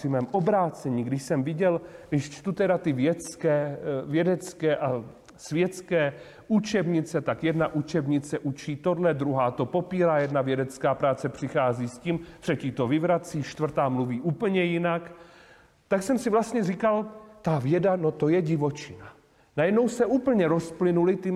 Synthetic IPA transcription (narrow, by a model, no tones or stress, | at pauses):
ɪmɛːmʔo̞bɾaːt͡sɛɲiːɡdɪʃsɛmvɪɟɛlɡdɪʃt͡ʃt̪ut̪ɛdat̪ɪvjɛt͡skɛːvjɛdɛt͡skɛːʔa | svjɛt͡skɛː | ʔut͡ʃɛbɲɪt͡sɛt̪akjɛdnaʔut͡ʃɛbɲɪt͡sɛʔut͡ʃiːt̪o̞dlɛd̪ɾuɦaːt̪o̞po̞piːɾajɛdnavjɛdɛt͡skaːpɾaːt͡sɛpr̝̥ɪxaːziːsciːmt̪r̥ɛciːt̪o̞vɪvɾat͡siːʃt̪vr̩t̪aːmluviːʔuːpəɲɛjɪnak | t̪aksɛmsɪvlast̪ɲɛrikalt̪avjɛdanot̪o̞jɛɟɪvo̞t͡ʃɪna | najɛdno̞wsɛʔuːpl̩ɲɛɾosplɪnulɪt̪ɪ